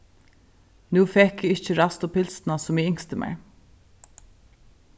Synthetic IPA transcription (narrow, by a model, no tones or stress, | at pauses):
nʉːfɛkɪɪht͡ʃəɾast̪ɔpʰɪlsnasʊmɪɪŋst̪əmʔɛ̰ɹ